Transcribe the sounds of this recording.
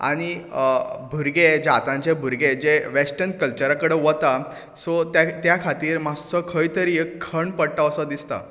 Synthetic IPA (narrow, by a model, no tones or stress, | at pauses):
a̰ɽ̃i | bʱuɾɡed͡zat̪ãɲt͡ɕebʱuɾɡed͡ʑeʋesʈənkəlt͡ɕəɾakəɽeʋət̪a | sɔt̪at̪jakʰat̪iːɾmassəkʰəjt̪əɾiekʰːəɳpəɽʈaəsəd̪ist̪a̰